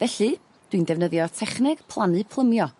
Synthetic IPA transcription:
vɛɬɨ | d̥windɛvnəðjɔtʰɛχnɪɡ̥pʰlˠanɨpʰlˠəmjɔ

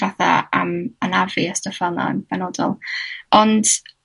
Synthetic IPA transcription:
vaθa̰a̰mənaviəstɔfɛlˠna̰ənb̥ɛnɔdɔ̰lˠɔnd̥

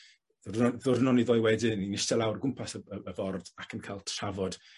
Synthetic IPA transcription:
ðʊrðʊrnɔniðɔːjwɛdɪninɪstɛlˠawrɡʊmpʰasəəəvɔrd̥akʰənkʰalˠtʰr̥avɔd̥

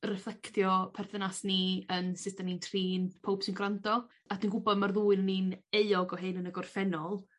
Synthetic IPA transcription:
rɛflˠɛkʰtjɔpʰɛrθənasniənsɪdanintʰriːnpʰowb̥sɪnɡrandɔ | adinɡʊbɔdmarðuːɨnənineɨɔɡɔɦɨnənəɡɔrfɛnɔlˠ

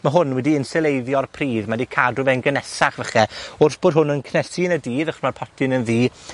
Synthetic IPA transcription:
maɦʊnwɛdiɪnsɛlˠejðjɔrpʰriːðmadikʰadʊvɛnɡənɛsaχvəχɛʊrθb̥oːd̥̚ɦʊnənkʰnɛsinədiːðaχɔsmarpʰɔtʰɪnənðiː

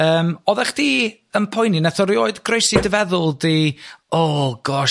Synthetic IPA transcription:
əːmɔðɛχd̥iː | əmpʰɔjninaθɔɾioːɨdɡrejsidəvɛðʊlˠdiɔɡ̥ɔʃ

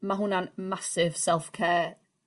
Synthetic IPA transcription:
maɦʊnanmasɪv̥sɛlˠfkʰɛː

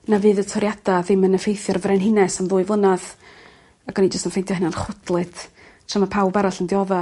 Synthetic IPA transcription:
navɨːðətʰɔɾjad̥aðɪmənəfejθjɔrvrɛnɦɪnɛsamðʊːɨvʊnað | aɡ̥ɔnid͡ʒəstənfejntjɔhɪnanχʊdlˠɨd | tʰramapʰawbaɾɔɬəndɪɔða

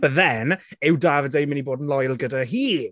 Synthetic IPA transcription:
b̥əðɛnɪwdavədejməniboːdənlˠɔjlˠɡədaɦiː

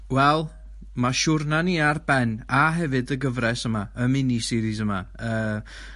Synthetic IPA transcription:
wɛlˠ | maʃʊrnaniːarb̥ɛnaɦɛvɨdəɡəvɾɛsəmaəmɪnisɪɾisəmaəː

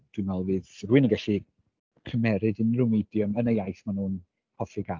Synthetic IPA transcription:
d̥wɨnɛlˠvɨːðruːɨnəɡɛɬi | kʰəmɛɾɨdənrʊmedjəmənejajθmanuːn | hʰɔfiɡa

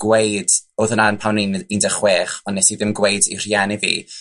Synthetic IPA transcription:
ɡ̥wejd̥oðənaənpʰawninindəχweːχɔnːɛsiðɪmɡwejdḭr̥jɛnivḭː

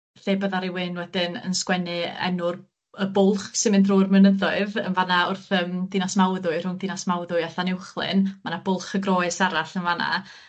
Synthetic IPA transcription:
θeːbəðaɾɪwɨnwɛd̥ɪnə̰nskwɛnɨɛ̰nʊr | əbʊlˠχsɪmɪndroːrmənəðɔɨðə̰nvanaʊrθəːmd̥ɪnasmawðʊɨr̥ʊŋdɪnasmawðʊɨaɬanɪwχlˠɨ̰nmanabʊlˠχəɡrɔɨsaɾaɬənvana̰

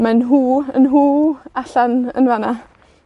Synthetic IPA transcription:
manɦuːənɦuːaɬanə̰nvana

